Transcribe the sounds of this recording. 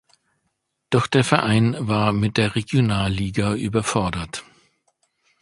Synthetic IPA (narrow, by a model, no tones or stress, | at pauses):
d̥ɔχd̥eːɐfɛɐʔaɪnvaːɐmɪt̚d̥eːɐʁeɡjonaːlːiːɡaʔyːbɐfɔɐdɐt